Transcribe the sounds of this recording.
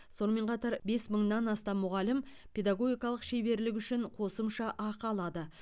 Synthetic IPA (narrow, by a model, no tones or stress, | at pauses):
so̞nəme̞ɴqʰɑt̪ɑɾbe̞sməɴnɑnɑst̪ɑmːʊʁɑlɪm | pʰe̞d̪aɡo̞ɡʲijkɑlˠəqʃe̞be̞ɾlɪk̬ʲʏʃɪɴqʰo̞səmʃɑʔɑqɑlˠɑd̪ə